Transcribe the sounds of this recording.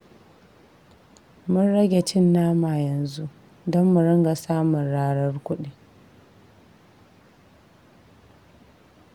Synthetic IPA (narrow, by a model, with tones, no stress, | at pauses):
mʊ˦nɽɐ˦ɡʲe˨t͡ʃɪ˦nːaː˦ma˨jɐ˨nzu˦ʔ | dɔ˦mːu˨ɾɐ˦ŋɡa˨saː˦mʊ˨nɽaː˦ɽɐ˦rkʷʊ˦ɗi˨